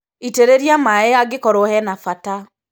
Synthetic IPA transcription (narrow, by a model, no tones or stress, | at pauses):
iteɾeɾjamaeaɡekɔɾɔhɛnafata